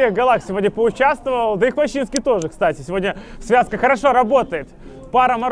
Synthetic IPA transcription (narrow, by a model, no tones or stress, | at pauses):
eɣɡɐlˠaxsʲɪvo̞dʲnʲəpəʊt͡ɕast̪vəvəlˠd̪əixmɐɕːinskʲijt̪o̞ʐɨkst̪atʲɪsʲɪvo̞dʲnʲəfsvʲaskəxəɾɐʂo̞ɾɐbo̞t̪əjɪt̪ | paɾəmɐɾ